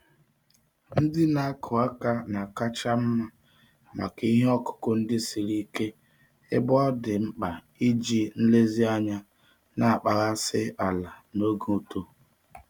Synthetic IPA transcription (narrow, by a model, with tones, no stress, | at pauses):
n̩˦dɪ˦na˨a˦kʰʊ˨a˦ka˦na˨ka˦t͡ʃa˦m̩˦ma˦ | ma̰˨ka˦˨i˦ɦe˦ɔ˦kʊ̥˦kɔ˦n̩˦dɪ˦si˨ɾi˦ke˦ | ɪ̰˦bɔ˦dɪ˨m̩˦k͡pa˨ | i˦d͡ʒi˦n̩˦le˦zi˦a˦ɲa˦ | na˨a˨k͡pa˨ɣa˦sɪ˦a˨la˨no˦ɡu˨o˦˨to˦